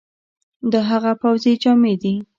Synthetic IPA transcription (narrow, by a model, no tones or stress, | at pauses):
d̪əɦaɣapawzed͡ʒɑmed̪i